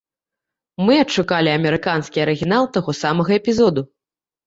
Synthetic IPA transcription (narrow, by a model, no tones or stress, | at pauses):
mɨɐtʂukalʲiɐmʲɛɾɨkanskʲiɐɾɨɣʲinalˠt̪aɣɔsamɐɣɐɛpʲizɔd̪u